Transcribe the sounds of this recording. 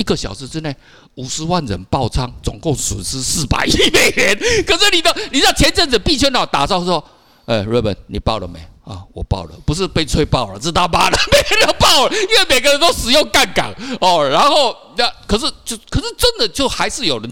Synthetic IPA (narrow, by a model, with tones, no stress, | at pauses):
i˧˥ɡə˨ɕjɑ˨˩ʊʂɻ̩˧˦t͡sɻ̩˥ne˥˩ɪ | u˨˩ʂɻ̩˧˦wa˥˩nɻə̰˧˦npɑ˥˨ʊt͡sʰɑ˥ŋt͡sʊ̰˨˩ŋkʊ˥˨˩ŋsə̰˨˩nsɹ̩˥sɹ̩˥˩pa̰˨˩ɪi˧˥me˨˩ɪlɛ˧˦nkʰɤ˨˩ʂɻ̩˥˩ni˨˩t̪o˥ʊni˨˩sɑ˥˩t͡ɕʰjɛ˧˦nt͡sə˥˩nt͡sə˨˩pi˥˧t͡ɕʰjnɑ˨˩t̪a̰˨t͡sɑ˥˧ʊswɔ˥ | e˥˩ɪɻə˥˩bə̰˨˦nnḭ˨˩pɑ̰˥˩ʊlə̰˨mḛ˨˩ɪɔ̰˥˨˩wɔ˨˩pɑ̰˥˩ʊlə̰˩pu˧˥˦ʂ̬ɻ̩˥˧pe˥˧ɪt͡sʰwe˥ɪpɑ˥˨ʊlə̰˨˩ʈ͡ʂɻ̩˥˧˩t̪ʰa˥pa˥lə˨me˧˥ɪɡə˧˦nə˥˩pɑ˥˩ʊlə˩i˥nwe˥˩me˨˩ɪɡə˧ɻə˧˦nt̪o˥ʊʂɻ̩˨˩jʊ˥˧ŋka˥˩nka̰˨˩˦ɔ˥˧ɻa˧˥nxo˥˧ʊ | na˥˧kʰə˨˩ʂ̬̩˥˩t͡ɕjo˥˩ʊkʰə˨˩ʂɻ̩˥˩t͡sə˦˥nd̪ə˨t͡ɕjo˥˩ʊxa˧˥ɪʂɻ̩˥˩jo˨˩ʊɻə˦n